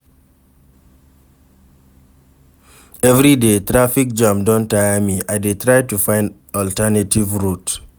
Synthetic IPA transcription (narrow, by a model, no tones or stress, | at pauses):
ɛvɹidetɹafik̚d͡ʒãmdɔ̃ntajamiaɪdetʰɹaɪtufãɪ̃nd | ɔltɛnativɹut